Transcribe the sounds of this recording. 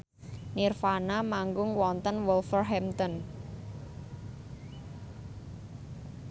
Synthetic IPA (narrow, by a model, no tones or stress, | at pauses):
nirfanamaŋɡʊŋwɔnt̪ənwɔlfərɦɛmt̪ɔn